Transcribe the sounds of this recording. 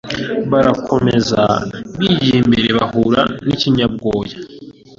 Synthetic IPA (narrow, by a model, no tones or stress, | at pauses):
βaɾakʰo̞me̞za̰βiːjimbe̞ɾe̞βahuɾa̰niciɲab̚ɡo̞ːja